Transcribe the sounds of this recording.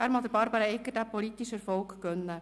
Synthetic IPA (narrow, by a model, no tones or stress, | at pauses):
æːɾmɑd̪əɾbɑɾbɑɾɑɛkːədæpolit̪ːiʃɛɾfɔlkɡ̥œnːə